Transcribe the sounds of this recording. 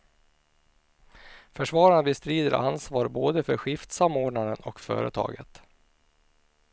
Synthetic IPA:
fœʂvɑːɾanbɪst̪ɾiːd̪əɾʔa̰nsvɑːɾboːd̪əfœɾɧɪft̪samːoːɖɳad̪ənɔkfœ̰ːɾət̪ʰɑ̰ːɡə̰t̪

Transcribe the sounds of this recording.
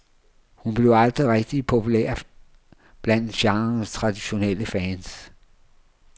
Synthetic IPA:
hunb̥le̝ʊɑ̈ld̥ʁiʁeɡ̥̚d̥ipʰo̝pʰulḛɐ̰ | b̥læn̰d̥ɕɑ̈ŋɐnst͡sʰʁɑ̈d̥iɕo̝nel̰əfɛːns

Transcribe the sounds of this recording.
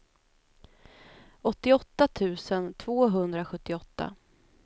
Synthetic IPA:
ɔt̪ːɪɔt̪ːat̪ʰʉ̟ːsənt̪ʰvoːɦɵnd̪ɾaɧɵt̪ːɪɔt̪ːa̰

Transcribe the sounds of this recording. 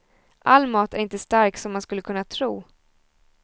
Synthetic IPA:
ʔalːmɑːt̪æɾɪnt̪əst̪aɾksɔmːanskɵlːəkʰɵnːat̪ʰɾuː

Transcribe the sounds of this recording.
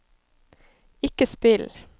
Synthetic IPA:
ɪkəspɪl

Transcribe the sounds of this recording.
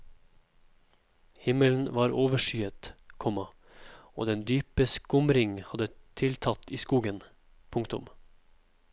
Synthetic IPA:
hɪməln̩ʋɑːɾʔoːʋəʃyːət̪kʰɔmɑ | o̰ːd̪ɛnd̪yːpəsɡ̥ʊmɾɪŋhɑd̪ət̪ʰɪlt̪ʰɑt̪iːskuːɡən | pʰʊŋt̪ʊ̰m

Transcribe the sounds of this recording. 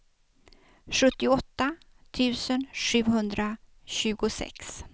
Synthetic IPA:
ɧɵt̪ːɪɔt̪ːa | t̪ʰʉ̟ːsənʂʉ̟ːɦɵnd̪ɾaɕʉ̟ːɡʊsɛ̰ks

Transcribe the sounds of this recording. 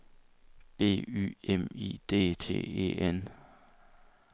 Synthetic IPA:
b̥e̝̰ːy̰ːemḭːd̥e̝̰ːt͡sʰe̝̰ːe̝̰ːen

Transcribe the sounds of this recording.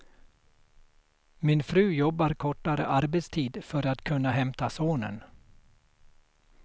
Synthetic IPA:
mɪnfɾʉ̟ːjɔbːaɾkʰɔʈːaɾə̰ʔaɾbɛt̪st̪ʰiːd̪fœɾat̪kʰɵnːaɦɛmt̪asoːnə̰n

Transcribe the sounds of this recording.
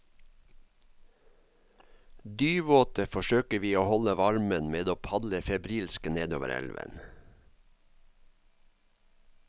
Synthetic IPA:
d̪yːʋoːt̪əfɔʃøːkəʋiːoːhɔləʋɑɹmənmeːd̪oːpʰɑd̪ləfɛbɾiːlskəneːd̪o̰ːʋə̰ɾɛ̰lʋə̰n

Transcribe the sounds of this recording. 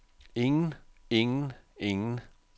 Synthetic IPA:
ɪŋn̩ɪŋn̩ɪŋn̩

